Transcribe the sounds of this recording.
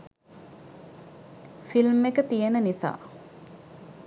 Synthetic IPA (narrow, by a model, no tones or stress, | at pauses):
filmːekət̪ijənənisa̰ː